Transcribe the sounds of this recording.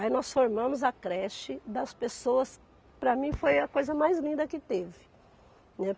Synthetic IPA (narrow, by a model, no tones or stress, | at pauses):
ainɔsfoɾmɐ̃mʊzɐkɾɛʃɪd̪ɐspesoɐs | pɾɐmĩfojɐkojzɐmajzlĩnd̪ɐkɪt̪evɪ | nɛ